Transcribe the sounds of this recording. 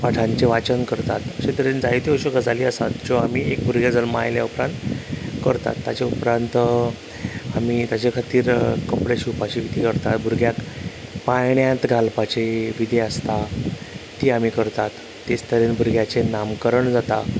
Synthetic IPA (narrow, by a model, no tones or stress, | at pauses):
paʈʰãɲt͡ɕeʋat͡ɕənkəɾt̪at̪əɕet̪əɾend͡zait̪eəɕoɡəd͡zaliːəsa̰t̪d͡ʑoamiːek̚bʱuɾɡjad͡zəlma̰jlja̰upɾãnt̪kəɾt̪a̰t̪ːjat͡ɕeupɾãnt̪ | amiːt̪jat͡ɕekʰat̪iːɾkəpɽeɕupat͡ɕiit̪iːkəɾt̪at̪bʱuɾɡjakpajɳjãt̪ɡʱalpat͡ɕeʋid̪ʱeəst̪a | t̪iːamiːkəɾt̪at̪ːest̪əɾenbʱuɾɡjat͡senamkəɾəɳd͡zat̪a